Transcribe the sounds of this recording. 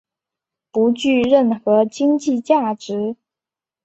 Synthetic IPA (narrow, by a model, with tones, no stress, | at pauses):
pu˧˥t͡ɕy˥˧ɻə˥˩nxɤ˧˥t͡ɕi˥ŋt͡ɕi˥˧t͡ɕja˥˩ʈ͡ʂɻ̩˧˥